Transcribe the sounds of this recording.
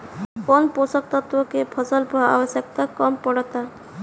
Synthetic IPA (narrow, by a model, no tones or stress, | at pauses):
konposɔk̚t̪ɔt̪ɾɔkepʰɔsɔlpɔa̰bɔsjekt̪akɔmpɔɽɔt̪a